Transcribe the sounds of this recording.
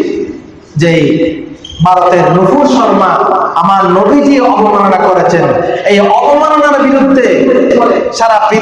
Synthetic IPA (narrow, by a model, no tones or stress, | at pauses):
d͡ʑej | bʱaɾot̪eɾnupuɾʃɔɾmaamaɾnobʱid͡ʑieɔbɔmanɔnakɔɾet͡ɕʰenejɔbɔmanɔnaɾbiɾud̪ʱːebɔɾeʃaɾapɾi